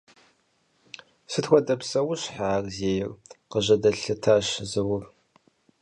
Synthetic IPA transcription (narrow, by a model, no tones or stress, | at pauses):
sɨtxʷɔdɐpsɐwʊɕħaːrzeːjɪrqəʑɐdɐɬɨtʰaːɕzɨwʊr